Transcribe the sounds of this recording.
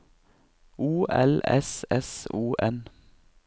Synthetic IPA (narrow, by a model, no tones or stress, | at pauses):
uːɛ̰lɛ̰sɛsuːʔɛn